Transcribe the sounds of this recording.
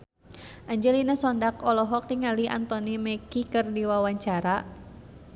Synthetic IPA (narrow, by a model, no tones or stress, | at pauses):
ʔaɲd͡ʒɛlinasɔndakɔlɔɦɔk̚t̪iŋaliʔa̰nt̪ɔnimɛkikɨrdiwawaɲt͡ʃaɾa